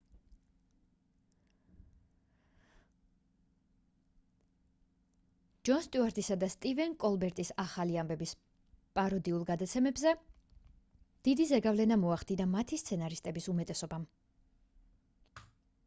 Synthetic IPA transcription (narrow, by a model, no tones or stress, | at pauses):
d͡ʒɔnst̪ʼuaɾt̪ʼisad̪ast̪ʼivɛnkʼɔlˠbɛɾt̪ʼisaχaliambɛbis | pʼaɾɔd̪iulˠɡad̪at̪sʰɛmɛbzɛ | d̪̥id̪izɛɡavlɛnamɔaχd̪inamat̪ʰist̪sʰɛnaɾist̪ʼɛbisumɛt̪ʼɛsɔbam